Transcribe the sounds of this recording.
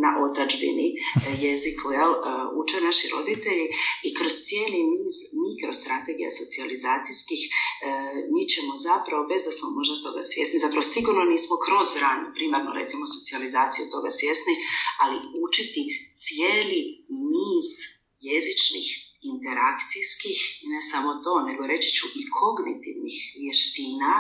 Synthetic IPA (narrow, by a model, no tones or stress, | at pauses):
na̰ʔo̞t̪ad͡ʒbḭnijezikʰuelṵt͡ʃenaʃiɾo̞̰d̪it̪eʎiikɾo̞z̥t̪sije̞ːlimiːz̥mikɾo̞st̪ɾat̪e̞ɡija̰so̞t̪sializaːt̪sijskix | miːt͡ɕe̞mo̞zapɾaʋo̞be̞zd̪asmomo̞ʒd̪at̪o̞̰ɡa̰sʋje̞snizapɾaʋosiɡuɾno̞niːsmo̞kɾo̞zɾanupɾimaɾno̰ɾe̞t̪simoso̞tsializaːt̪sijut̪o̞ɡa̰sʋje̞snialiut͡ʃit̪it̪sijeːlimiːz | je̞zit͡ʃnḭxint̪e̞ɾakt̪sijskixine̞samo̞t̪o̞ːne̞ɡo̞ɾe̞t͡ʃi̥t͡ɕuʔikʰo̞ɡnit̪ḭʋnḭxʋje̞ʃt̪iːna